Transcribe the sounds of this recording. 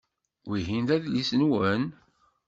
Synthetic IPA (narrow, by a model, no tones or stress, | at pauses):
wiɦind̪æðlisnwən